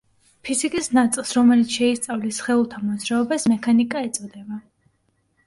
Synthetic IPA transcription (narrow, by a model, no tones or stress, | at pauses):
pʰizikʼisnat̪sʼilˠsɾɔmɛlit̪sʰʃɛist̪sʼavlisχɛulˠt̪ʰamɔd̪zɾaɔbasmɛkʰanikʼaɛt̪sʼɔd̪ɛba